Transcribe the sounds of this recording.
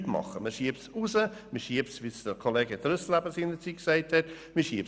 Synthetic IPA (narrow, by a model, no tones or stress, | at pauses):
tmɑ̰χəməʃiəpsusəməʃiəpsʋisd̥əkʰoleːɡədɾøslæbəsinət͡siksæɪthɛt | mɪʃiəp